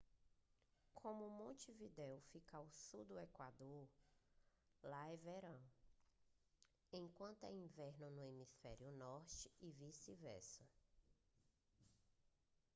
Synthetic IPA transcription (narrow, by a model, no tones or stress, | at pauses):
kʰõmʊmõt͡ʃivid̪ɛwfikawsud̪ʊekwad̪oɾ | laɛveɾɐ̃w̃ | ẽj̃kwɐ̃nt̪ʊɛĩvɛɾnʊnʊemisfɛɾjʊnɔɾt͡ʃɪivisivɛ̰sʊ